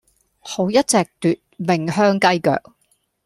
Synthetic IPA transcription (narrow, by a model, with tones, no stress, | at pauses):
ho˨˧˥wjɐ˥t̚t͡sɛː˨k̚t̪yː˨t̚mɪ˨˩ŋɦœː˥ŋkɐ˥jkœ̰ː˨k̚